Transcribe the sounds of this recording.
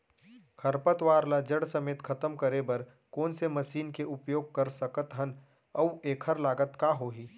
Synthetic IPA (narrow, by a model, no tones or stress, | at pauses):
kʰɐɾpət̪ʋaːɾlad͡ʒəɽsɐmeːt̪kʰɐt̪əmkɐɾebɐɾ | koːnsemɐʃiːnkeʔʊpjoːɡ̚kəɾsəkət̪ɦɐn | ɐueːkʰəɾlaːɡət̪kaɦoːɦiː